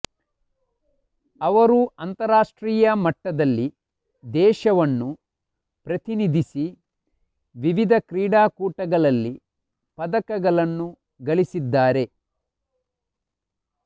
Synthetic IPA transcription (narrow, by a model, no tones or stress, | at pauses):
ɐʋɐɾuɐnt̪ɐɾaːʂʈɾiːjɐmɐʈːɐd̪ɐlːi | d̪ɛːʃɐʋɐnːu | pɾɐt̪inid̪ʱisi | ʋiʋid̪ʱɐkɾiːɽaːkuːʈɐɡɐɭɐlːi | pɐd̪ɐkɐɡɐɭɐnːu | ɡɐɭisid̪ːaːɾe̞